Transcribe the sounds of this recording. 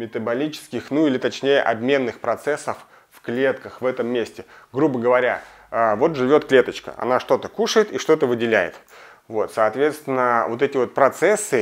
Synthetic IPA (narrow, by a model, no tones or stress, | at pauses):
mʲɪt̪əbɐlʲit͡ɕɪ̥skʲɪxnuilʲɪt̪ɐt͡ɕnʲejə̰ʔɐ̰bmʲe̞nːɨxpɾɐt̪sɛsːəf | fklʲe̞t̪kəxvɛt̪əmːʲesʲtʲɪɡɾubəɡəvɐɾʲa̰ | əvo̞t̪ʐɨvʲo̞t̪klʲe̞t̪ət͡ɕkə̰ʔɐ̰naʂt̪o̞t̪əkuʂəjɪt̪iʂt̪o̞t̪əvɨdʲɪlʲæjɪ̰t̪ | vo̞t̪sɐːt̪vʲe̞t̪st̪vʲɪnːəvo̞t̪ɛtʲɪvo̞t̪̚pɾɐt̪sɛsːɨ